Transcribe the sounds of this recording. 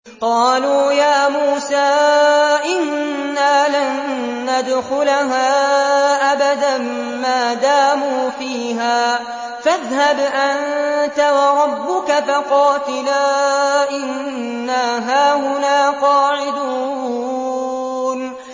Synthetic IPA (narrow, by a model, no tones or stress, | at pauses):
qɑːluːjaːmuːsaːʔɪnː | aːlanː | ad̪xʊlɦaːʔabad̪amː | aːd̪aːmuːfiːɦaː | faðɦabʔant̪awɑɾˤɑbːʊkafaqɑːt̪ɪlaːʔɪnː | aːɦaːɦʊnaːqɑːʕɪd̪uː | n